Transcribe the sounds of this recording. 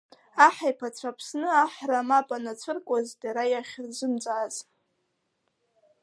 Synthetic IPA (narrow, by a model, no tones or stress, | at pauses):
aħajpʰat͡sʷʰapʰsnɨaħramapʼanat͡sʷʰɨrkʷʼazdaɾajaχʲrzʷɨmt͡sʼaz